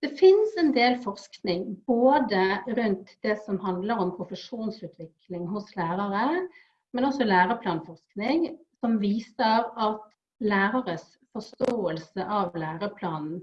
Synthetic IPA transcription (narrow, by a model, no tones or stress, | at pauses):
d̪̥ɛfɪnsɛnd̪eːlfɔʁsknɪŋboːd̪əɾʉnt̪d̪̥ɛsɔmɦɑnd̪ləɾɔmpʰɾʊfəʂuːnsʉːt̪ʰʋɪklɪŋɦʊslæːɾɑɾə | mɛnɔsɔlæːɾəpʰlɑːnfɔʁsknɪŋ | sɔmʋiːsəɾɑt̪ | læːɾɑɾəs | fɔst̪oːəlsəʔɑʋlæːɾəpʰlɑːnn̩